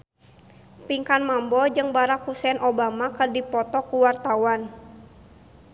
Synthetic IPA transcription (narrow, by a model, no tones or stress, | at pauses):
piŋkanmambɔd͡ʒɨŋbaɾakhusɛnobamakɨrdipɔt̪ɔkuwart̪awan